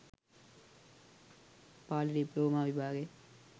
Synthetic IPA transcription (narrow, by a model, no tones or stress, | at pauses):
paːlɖiploːmaːʋɪbʱaːɡeː